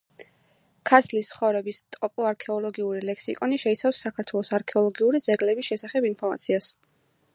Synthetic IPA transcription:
kʰaɾt̪ʰlist̪sχɔvɾɛbist̪ʼɔpʼɔaɾkʰɛɔlˠɔɡiuɾilɛksikʼɔniʃɛit̪sʰafsːakʰaɾt̪ʰwɛlˠɔsaɾkʰɛɔlˠɔɡiuɾid̪zɛɡlɛbisʃɛsaχɛbinpʰɔɾma̰t̪sʰias

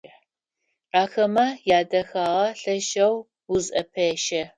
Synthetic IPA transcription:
ʔaːxɐmɐjaːdɐxaːʁɐɬɐʃɐw | wʊzɐpʰɐʃɐ

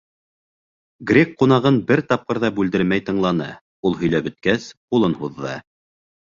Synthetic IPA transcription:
ɡrʲekqunɑʁɤnbɘɾt̪ɑp̚qɤ̆ɾðɑbʉld̪ɘ̆ɾmæjt̪ɤ̆ɴlˠɑnɤ | ulˠɦɵ̆jlæbɵ̆t̪̚kæsqulˠɤnhuðːɑ̰

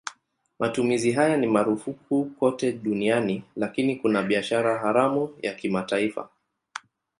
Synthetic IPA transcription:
mʔatumiziɦajanimaɾufukʰukɔtɛɗunianilakinikunaɓiaʃaɾaɦaɾamujakimataifa̰

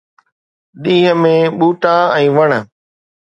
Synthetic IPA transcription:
ɗĩːɦə̆mẽɓuːʈãɛ̃ːʋɐɽ̃

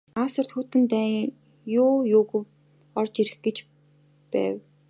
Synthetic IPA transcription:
aːsə̆r̥t̪xuːt̪ɘ̆nt̪æː | jʊːjʊːɣɘ̆w | ɔrt͡ɕiɾɘ̆xɡet͡ɕ | pæ̰ːw

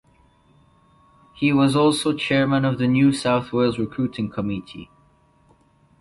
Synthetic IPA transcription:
hiwʌzɔˑlˠsoʊt͡ʃʰɛɹmə̃nəvðɨnjʉsaʊθweɪlˠzɹɪkʰɹ̥ʉtʰɪ̃ŋkʰəmɪtʰḭ

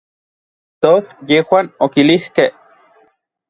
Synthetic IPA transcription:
t̪osjehwaːnokilihkeh

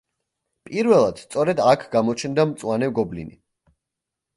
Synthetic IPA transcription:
pʼiɾvɛlˠad̪̥st̪sʼɔɾɛd̪akʰɡ̥amɔt͡ʃʰɛnd̪amt̪sʼwanɛɡɔblḭnḭ

